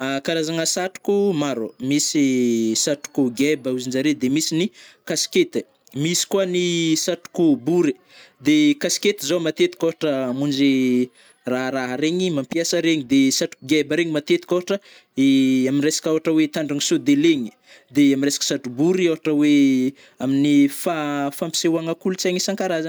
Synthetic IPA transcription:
akaɾazaŋəsaʈ͡ʂu̥kumaɾomisisaʈ͡ʂu̥kuɡɛbəuzind͡ʒaɾed̪emisinikasi̥ket̪i | misi̥kwanisatu̥kubuɾi | d̪ekasi̥ket̪izomat̪et̪i̥koɦaʈ͡ʂəːmund͡ʒe | raɦɾaɦɾeɲimampiasəɾeɲid̪esaʈ͡ʂu̥kuɡɛbəɾeŋimat̪et̪i̥koɦaʈ͡ʂə | eaminresḁkoɦaʈ͡ʂəwet̪aɳɖ͡ʐaŋisod̪eleɲi̥ | d̪eaminresḁkə̥satubuɾiawaʈ͡ʂəwe | aminifafampi̥sewaŋakulut͡saŋisaŋkaɾazə

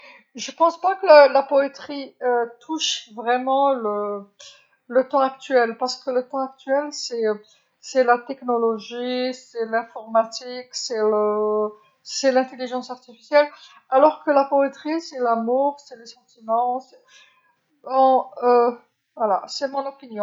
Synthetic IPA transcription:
ʒəpɑ̃spakələlapɔet̪χiøt̪ʰuʃvʁɛmɑ̃lə | lət̪ɑ̃ak̚t̪ɥɛlpaʁsə̥kələt̪ɑ̃ak̚t̪ɥɛlsɛ | sɛlat̪ɛknɔlɔʒisɛlɛ̃fɔʁmat̪iksɛlə | sɛlɛ̃t̪eliʒɑ̃saʁt̪ifi̥sjɛl | alɔʁkəlapɔet̪χisɛlamuʁsɛləsɑ̃t̪imɑ̃sɛ | ɔ̃ø | vwala̰sɛmɔ̃nɔpinjɔ̃

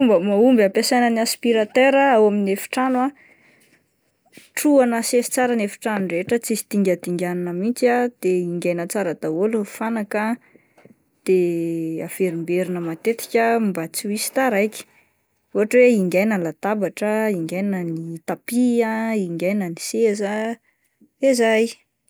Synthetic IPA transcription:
umbəmaumbampesajnəniaspiɾat̪øɾaawaminefi̥ʈ͡ʂanwa | ʈ͡ʂuanəsesi̥t͡saɾənefi̥ʈ͡ʂanureeʈ͡ʂət͡sisi̥t̪iŋɡʲad̪iŋɡʲaninəmint͡siad̪̥eiŋɡajnət͡saɾəd̪aolufanakə | d̪̥eav̥eɾimbeɾinəmat̪et̪i̥kʲəmbat͡suisi̥t̪aɾajkʲi̥ | oɦaʈ͡ʂweiŋɡʲajnənlat̪abaʈ͡ʂəiŋɡajninənit̪apiaiŋɡʲajnəniseza | ezaj

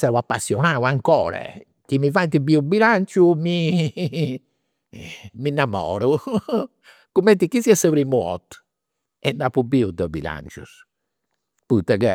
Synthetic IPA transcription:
sɛːwapːasːjɔnaːwaŋkɔːɾɛ̰ | k̟imːivant̪ibiːubilant͡ʃumi | minːamɔ̰ːɾu | kumːɛnt̪ikːiziɛsapɾimuɔ̰t̪ | ɛndapubiud̪ɔbḭla̰nt͡ʃṵs | put̪ːɛkɛ

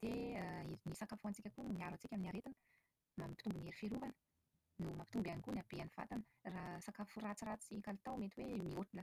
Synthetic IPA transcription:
d̪̥eəiɾinisakafuant͡sikʲakunmiaɾat͡sikʲaminaɾet̪inə̥ | mampi̥t̪umbuneɾifeɾuvanə̥ | numapit̪umbanikunabeaniv̥a̰t̪anə | rasakafurat͡sirat͡sikalit̪awmet̪iwemioʈ͡ʂula

